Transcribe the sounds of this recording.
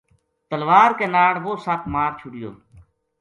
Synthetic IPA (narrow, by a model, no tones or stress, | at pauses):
t̪əlʋaːɾkeːnaːɽʋoːsaːpʰmaːɾt͡ʃʰʊɽɪjo̰ː